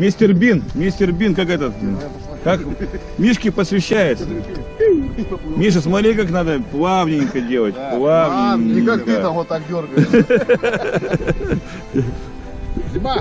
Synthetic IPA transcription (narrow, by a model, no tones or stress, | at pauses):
mʲesʲtʲɪrbʲinmʲesʲtʲɪrbʲinkakɛt̪ət̪ | kak | mʲiʂkʲɪpəsvʲɪɕːæjɪt̪sə | mʲiʂ̬ɨsmɐt̪ɾʲekaknad̪əplˠavnʲɪnʲkədʲelˠətʲplˠavnʲɪait̪ɐvot̪akdʲorɡə